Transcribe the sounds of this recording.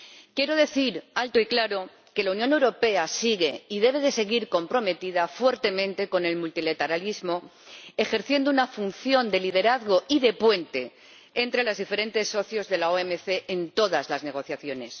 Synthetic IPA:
kje̞ɾoð̞e̞θiɾalt̪oiklaɾo̞ | ke̞launjone̞wɾope̞asiɣe̞iðe̞β̞e̞ðe̞se̞ɣiɾko̞mpɾo̞me̞t̪iðafwe̞ɾt̪e̞mẽ̞nt̪e̞ko̞ne̞lmult̪ilat̪eɾalizmo̞ | e̞xe̞ɾθje̞nd̪ounafun̟θjo̞nd̪e̞lið̞e̞ɾaðɣo̞iðe̞pwe̞nt̪e̞ | ent̪ɾe̞lazðife̞ɾe̞nt̪e̞sːo̞θjo̞zðe̞laoemeθe̞ʔːnt̪o̞ðazlazne̞ɣ̞o̞θjaθjo̞ne̞s

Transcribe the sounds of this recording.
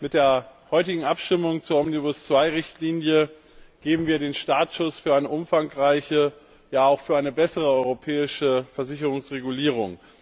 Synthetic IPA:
mɪt̚d̥eːɐhɔʏtɪɡŋ̩ʔapʃtɪmʊŋt͡suːɐʔɔmnibʊst͡sv̥aɪʁɪçtliːnjə | ɡ̥eːbm̩viːɐɾeːnʃtaːtʃʊsfyːɐaɪnəʔʊmfaŋʁaɪçə | jaːaʊxfyːɐaɪnəbɛsəʁəɔʏʁopʰɛːɪʃəfɛɐzɪçəʁ̞ʊŋsʁeɡuliːʁ̞ʊŋ

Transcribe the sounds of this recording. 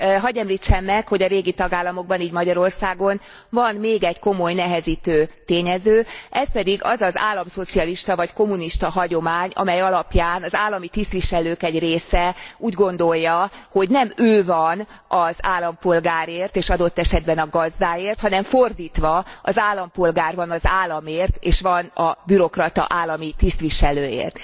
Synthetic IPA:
ɦɒɟɛmliːt͡ʃːɛmːɛkho̞ɟɒɾeːɡit̪ɒɡaːlːɒmo̞ɡ̚bɒniːɟmɒɟɒɾo̞rsaːɡo̞n | vɒnmeːɡɛɟko̞mo̞jnɛɦɛziːt̪øːt̪eːɲɛzøːʔɛspɛd̪iɡɒ̰zɒza̰ːlːɒmso̞t̪sijɒliʃt̪ɒvɒcko̞muniʃt̪ɒɦɒɟo̞maːɲɒ̰mɛjɒlɒpjaːnɒzaːlːɒmit̪ist̪ʋiʃɛløːkɛɟreːsɛuːɟɡo̞nd̪o̞jːɒho̞ɟnɛmøːvɒn | ɒzaːlːɒmpo̞lɡaːɾeːrt̪eːʃɒd̪o̞t̪ːɛʃɛd̪̚bɛnɒɡɒzd̪aːjeːrt̪hɒnɛɱfo̞rd̪iːt̪ʋɒɒzaːlːɒmpo̞lɡaːrvɒnɒzaːlːɒmeːrt̪eːʃʋɒnɒbyɾo̞krɒt̪ɒ̰ʔaːlːɒmit̪ist̪ʋiʃɛløːḛːrt̪

